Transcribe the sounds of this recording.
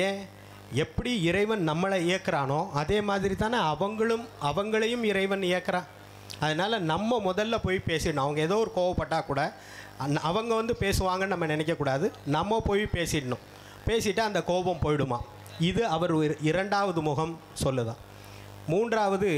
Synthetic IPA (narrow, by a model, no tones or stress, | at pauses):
eː | ɛpːɐɽiɪɾɐɪʋɐnnɐmːɐɭɐɪjɐkːɐɾaːnoːʔɐðeːmaːðɪɾit̪aːnɐʋɐŋɡɐɭɯmɐʋɐŋɡɐɭɐjɯmɪɾɐɪʋɐnɪjɛɐkːɐɾãː | ɐðɐnaːlɐnɐmːɐmʊðɐlːɐpoːjpeːsɪʈːɐɳʊ̃ɐʋɐŋɡɐeːðoːɔɾɯkoːʋɐpːɐʈːaːkuːɽɐ | nɐʋɐŋɡɐʋɐnd̪ɯpeːsɯʋaːŋɡɐnnɐmːɐnɪnɛk̬ʲːɐkːuːɽaːðɯnɐmːɐpoːjpeːsɪʈːɐɳʊ̰̃ | peːsɪʈːɯɐnd̪ɐkoːbɐmpoːjɪɽɯma̰ː | ɪðɯɐʋɐɾɪɾɐɳɖaːʋɐðɯmʊɣɐm | sɔlːɯðã̰ː | muːndraːʋɐðɯ